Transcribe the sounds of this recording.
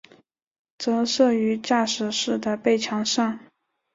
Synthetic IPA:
t͡sɤ˧˥ʂɤ˥˩y˧˥t͡ɕja˥˩ʂɻ̩˨˩ʂɻ̩˥˩d̪ə˩pe˥˩ɪt͡ɕʰjɑ˧˥ŋʂɑ˥˩ŋ

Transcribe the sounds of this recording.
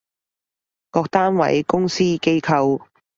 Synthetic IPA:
kɔː˧k̚t̪aː˥nwɐ̰˨˥jkʊ˥ŋsiː˥ke˥jkʰɐ˧w

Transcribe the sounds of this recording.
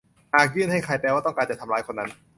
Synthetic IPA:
haː˨˩k̚jɯː˥˩˨nɦa˥˩jkʰa˧jpɛː˧waː˥˩t̪ɔ˥˩ŋkaː˧nt͡ɕa˨˩t̪ʰmlaː˧˥jkʰo˧nːa˦˥n

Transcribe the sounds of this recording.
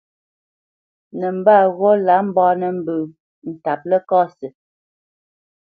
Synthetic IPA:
nɛ˨m̩˨ba˦˨ɣo˦la˨˦m̩˦bɔː˦nə˨m̩˨bʉ˨ | n̩˨ta˨p̚lɛ˦kɔː˦sə˨

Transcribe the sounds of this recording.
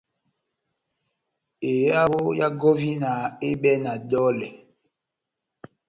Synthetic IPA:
e˨ja˦wo˦ja˦ɡɔ˦vi˦na˨e˦bɛ˦na˨dɔ˦lɛ˨

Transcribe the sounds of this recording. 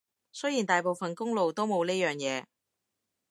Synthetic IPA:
sɵ˥ji˨˩nt̪aː˨jpo˨wfɐ˨nkʊ˥ŋlo˨wt̪o˥wmo˨˧wniː˥jœː˨ŋjɛː˨˧

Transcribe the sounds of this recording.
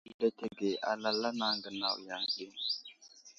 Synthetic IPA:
le˦te˦˨ɡe˨ʔa̰˨la˦la˦na˨˦ŋɡə˨na̰˨wja˨ŋɗi˦n

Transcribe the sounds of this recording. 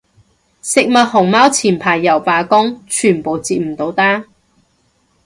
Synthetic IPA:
sɪ˨k̚mɐ˨t̚hʊ˨˩ŋmaː˥wt͡sʰiː˨˩npʰaː˨˩jːɐ˨˩wpaː˨˧kʊ˥ŋt͡ʃʰyː˨˩npo˨˧wt͡siː˧t̚m̩˨˩t̪o˨˥wt̪aː˥

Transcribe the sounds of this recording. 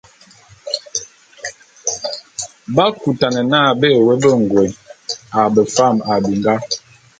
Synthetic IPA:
ba˦ku˨ta˨nə˨naː˦˨be˦˨wɛ˦bə˦˨ŋ˨ɡwe˨na˨bə˨fa˦˨ma˨bi˨ŋɡa˦

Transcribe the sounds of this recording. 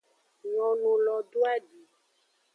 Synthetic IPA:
ŋɔ̃˨nũ˨lɔ˨ɖo˦a˦ɖi˨

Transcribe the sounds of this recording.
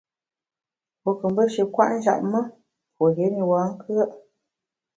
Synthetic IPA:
po˨kə˨m˦bə˦ʃə˨kwa̰˦ʔn̩˦d͡ʒa̰˦˨ʔ̚mə˦ | pwo˨le˨˦ni˨waː˨˦ŋ̩˦kʰɰə˦ʔ

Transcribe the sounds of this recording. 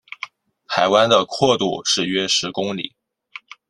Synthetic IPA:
xʰa˧˥ɪwa˥nd̪ə˨kʰwɔ˥˧t̪u˥˧ʂɻ̩˥˩ɥɛ˥ʂɻ̩˧˥kʊ˥ŋlḭ˨˩˦

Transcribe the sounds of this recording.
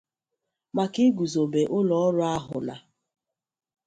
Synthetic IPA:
ma˨ki˦ɡu˨zo˨be˨ʔʊ˦lɔ˨˦ɔ˦ɾʊ˦a˦ɦʊ̰˨na̰˨

